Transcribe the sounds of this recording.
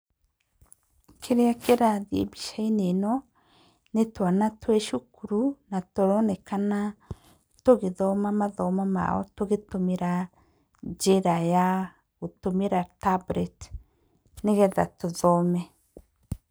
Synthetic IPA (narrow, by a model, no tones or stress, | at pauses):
kʰeɾeakeɾaðiḛbiʃainenɔ | netwanatwɛʃukuɾunatoɾɔnɛkana | toɣeðɔmamaðɔmama̰ɔ̰toɣetomeɾa | d͡ʒeɾaja | otomeɾatabɾɛt | neɣɛða̰toðɔmɛ